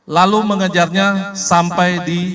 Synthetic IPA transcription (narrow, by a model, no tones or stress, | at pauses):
laluməŋad͡ʒarɲasampajdi